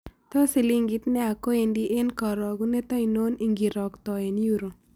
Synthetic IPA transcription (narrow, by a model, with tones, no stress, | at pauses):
t̪ɔ˦si˨li˦ŋɡi˦t̪nɛ˦a˨ko˦endi˦ʔe˦nkɔ˨ɾɔ˨ɡu˦ne˦t̪ɔ˦i˨no˦niŋɡi˨ɾɔ˨kt̪ɔ˨e˨njuɾo˨